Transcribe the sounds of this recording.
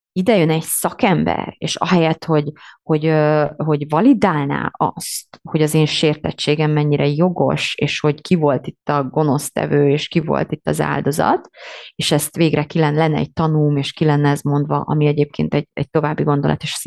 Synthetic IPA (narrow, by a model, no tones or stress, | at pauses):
id̪ɛjønɛɟsɒkɛmbɛ̰rḛːʃɒ̰ɦɛjɛt̪ho̞ɟho̞ɟøɦo̞ɟvɒlid̪aːlna̰ːɒ̰st̪ho̞ɟɒzeːnʃeːrt̪ɛt͡ʃːeːɡɛmːɛɲːiɾɛjo̞ɡo̞̰ʃeːʃho̞ɟkivo̞lt̪it̪ːɒɡo̞no̞st̪ɛ̰vøːeːʃkivo̞̰lt̪it̪ːɒza̰ːld̪o̞zɒ̰t̪eːʃɛst̪ʋeːɡrɛkilɛnlɛnːɛ̰ɛ̰ɟ̚t̪ɒnuːlmeːʃkilɛnːɛɛzmo̞nd̪vɒ̰ʔɒmiɛɟeːp̚kʰḛːnt̪ɛɟɛɟ̚t̪o̞vaːbːiɡo̞nd̪o̞lɒ̰t̪eʃ